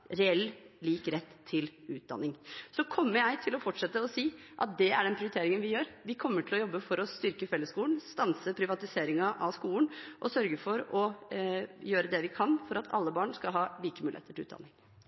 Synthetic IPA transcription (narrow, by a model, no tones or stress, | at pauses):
ɾɛɛlːliːkɾɛt̪ʰːɪlʉːt̪̚d̪ɑ̰nːɪŋsɔkʰɔmːəɾjæɪt̪ʰɪlɔfɔʈʂɛt̪ːəɔsiːʔɑt̪̚d̪ɛæɖɛnpʰɾɪʊɾɪt̪eːɾɪŋənʋɪjøːɾʋɪkʰɔmːəʈʰɪlɔjɔbːəfɔɾɔst̪ʏɾkəfɛlːəskuːln̩st̪ɑnsəpʰɾɪʋɑt̪ɪseːɾɪŋɑʔɑʋskuːln̩ʔɔsœɾɡəfɔɾɔ | jøːɾəd̪ɛʋɪkʰɑnfɔɾɑt̪ʰɑ̰lːəbɑːɳskɑlɦɑːliːkəmʉːlɪeːt̪əʈʰɪlʉ̰ːt̪d̪ɑ̰nːɪŋ